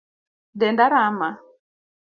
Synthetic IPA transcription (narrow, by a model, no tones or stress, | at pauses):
dɛndaɾama